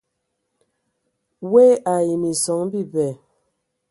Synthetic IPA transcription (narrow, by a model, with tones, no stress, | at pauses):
we˦a˨ji˨mi˨sɔ˨˦ŋbi˦˨bɛ˨